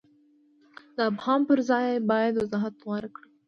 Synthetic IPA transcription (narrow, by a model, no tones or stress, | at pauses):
d̪əːbhɑːmpəɾzɑːjbɑːjad̪wəzɑːɦat̪wɑɾkɽ